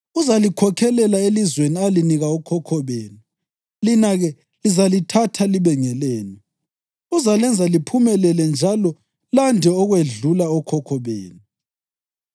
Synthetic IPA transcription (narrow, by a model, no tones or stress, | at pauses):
uzalikʰɔkʰɛlɛlaelizwenialiniɣaɔkʰɔkʰɔβeːnu | linaɣɛ | lizalitʰatʰaliβɛŋɛlɛːnɛ | uzalɛnd͡zʱalipʰumɛlɛlɛnd͡ʒʱalɔ | landʱɛɔɣweɮulaɔkʰɔkʰɔβḛːnu